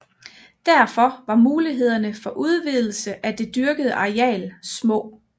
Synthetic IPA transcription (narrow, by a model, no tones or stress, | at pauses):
d̥æɐfɒ̽ʋɑ̈muːliɦe̝ð̞̰ˠɐnəfɒ̽ʔuð̞ˠʋið̞ˠl̩səʔæd̥e̝d̥yɐɡ̥əð̞ˠəʔɑ̈iɛ̰ːlsmɔ̰̽ː